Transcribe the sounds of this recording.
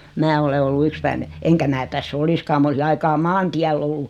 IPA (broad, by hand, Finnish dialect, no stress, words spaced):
mæː ole olːu ykspæine eŋkæ mæː tæsː oliskɑː m olisi ɑikɑː mɑːntiælː olːu